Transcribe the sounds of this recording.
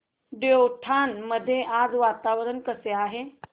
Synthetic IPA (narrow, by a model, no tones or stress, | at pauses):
ɖowʈʰanməd̪ʱːjeʔad͡zʋat̪aʋəɾənkəseaɦe